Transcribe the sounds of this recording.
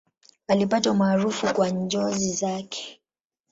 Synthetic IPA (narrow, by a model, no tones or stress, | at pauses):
alipatwamaːɾufukwaɲd͡ʒɔzizakʰɛ̥